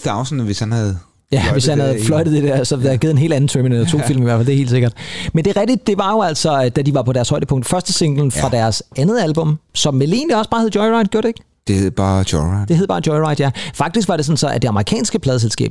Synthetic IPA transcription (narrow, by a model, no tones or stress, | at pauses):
d̥ɑʊsnʋeshænhæð̩ˠ | jæʋe̝shænnhæð̞̩ˠflɒɪɾ̥ð̞̩̥ˠed̥æɐ̰sɒ̽d̥æɡ̥e̝ð̩ˠenɦe̝̰ːld̥æn̩t͡sʰominelɐt͡sʰo̝̰ːil̰miʋæɐ̰fældehe̝ːld̥se̝ɡ̥ɐd̥mend̥e̝ʁɛɡ̥̚d̥id̥̚ːe̝ʋɑ̈jo̝æl̰sɒ̽d̥æd̥iʋɑ̈pʰɒ̽ɾæɐshɒ̽ɪ̰dəpʰɔ̽ŋ̰d̥fɶɐsd̥əse̝ŋ̥l̩n̩fʁɑ̈d̥æɐsænð̩ˠælb̥ɔ̽msɒ̽mʋele̝̰ːndiɒ̽sb̥ɑ̈ːheðˠjɔɪʁɑ̈ɪd̥ɡ̥jo̝ɐ̰d̥eɡ̥ | d̥e̝heð̰ˠb̥ɑ̥̈ːɔɪʁɪde̝heðˠbɑ̈ːd̥jɒɪʁɑ̈ɪd̥jæfɑ̈ɡ̥d̥isɡ̥ʋɑ̈ɾ̥e̝sɒ̽n̩sɒ̽æd̥e̝ɑ̈məʁikʰɛ̰ːnsɡ̥əpʰlɛːðˠselsɡ̥ɛ̰ːb̥